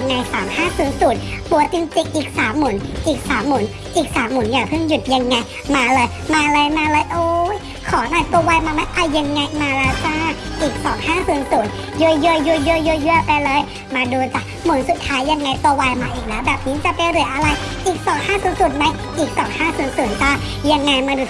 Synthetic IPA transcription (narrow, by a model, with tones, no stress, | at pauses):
ŋːa˧jsaː˩˦mhaː˥˩suː˨˩˦nsuː˨˩˦t̪̚pu˨˩ət̪i˧ŋt̪i˧ŋ̚ʔiː˨˩k̚saː˩˦mːu˨˩˦nʔiː˨˩k̚saː˨˦mːu˨˩˦n | ʔiː˨˩k̚saː˩˦mːu˨˩˦njaː˨˩pʰɯ˥˩ŋju˨˩t̪̚ja˧ŋːa˧j | maː˧lɤː˧j | maː˧lɤː˧jmaː˧lɤː˧˦jʔoː˧˦j | kʰɔː˨˦nɔː˧˩jpɔː˧waː˧jmaː˧ma˧˦˥jʔa˧˩jjːa˧ŋːa˧jmaː˧lɛː˧˦˥wtaː˧˩ | ʔiː˨˩k̚sɔː˨˩˦ŋhaː˥˩suː˨˩˦nsuː˨˩˦n | ju˧ə˧ju˧ə˧ju˧ju˧ə˧ju˧ə˧ju˧˥əpa˧jlɤː˧˨j | maː˧duː˧ta˧˩ | mu˨˩˦nsu˨˩t̪̚ʰːaː˦˥jːa˧ŋːa˧jpɔ˧waː˧jmaː˧ʔiː˨˩k̚lɛː˦˥wbɛː˨˩p̚niː˦˥t͡ɕa˨˩pa˧jɾɯ˨˩˦əjʔa˧la˧j | ʔiː˨˩k̚sɔː˨˦ŋhaː˥˩˨suː˧˩˦nsuː˨˩˦nma˧˥j | ʔiː˨˩k̚sɔː˩˦ŋhaː˥˩su˨˩˦nsuː˨˩˦nta˧˩ | ja˧ŋːa˧jmaː˧duː˧˩